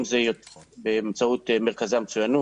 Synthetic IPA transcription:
mzejobemt͡saut̪meʁkazamet͡sujanu

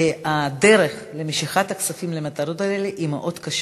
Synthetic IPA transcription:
ad̪eɾeχ | lemeʃiχat̪aksafimlemat̪ɐɾot̪aleleʔimḛʔo̞d̪kaʃ

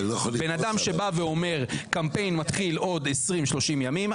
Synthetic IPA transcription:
benad̪amʃe̞baveo̞me̞ʁkampe̞jnmat̪χilo̞d̪esʁimʃlo̞ʃimjamim

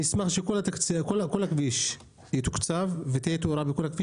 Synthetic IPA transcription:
ismaχʃekolat̪akt͡sikolakolakviʃ | et̪ukt͡savvet̪ijet̪oɾabekolhakviʃ

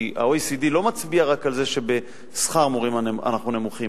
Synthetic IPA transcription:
a̰ojsid̪ilo̞mat͡sbiaʁakalze̞ʃe̞be | sχaʁmoʁimana̰naχnune̞muχim

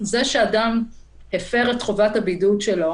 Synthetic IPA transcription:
zeʃeadam | hefe̞ʁetχovathabidutʃelo̞

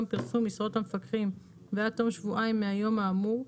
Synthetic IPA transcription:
mpiʁsumisʁo̞tamefakʁim | veatːo̞mʃvuʔaimːeajo̞maːmuʁ

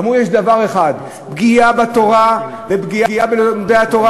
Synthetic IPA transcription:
mujeʃd̪avaʁeχad̪ | bɡijabat̪o̞ʁa | vebɡijaiabenod̪eat̪o̞ʁa

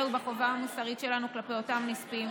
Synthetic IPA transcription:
ubakovaamusaʁitʃe̞lanuklapejo̞tamnispim

